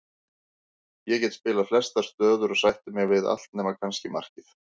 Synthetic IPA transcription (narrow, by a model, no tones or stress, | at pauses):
jɛcɛt̪spɪːlaflɛr̥st̪ḁt̪œːðʏɾɔsajht̪ʏmɛɣvɪða̰l̥t̪̚nɛːmakʰanscɪmar̥cɪθ